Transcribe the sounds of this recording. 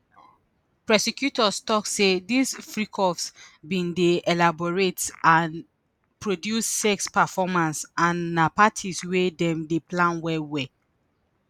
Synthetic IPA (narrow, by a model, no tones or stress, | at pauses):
pɹɛsekjutɔstɔksedisfɹikʰɔfsbĩndeʔɛlabɔɹetãn | pɹodjusːɛkspɛfɔmãnsãnːapatʰiswedɛ̃mdeplãnwɛwɛ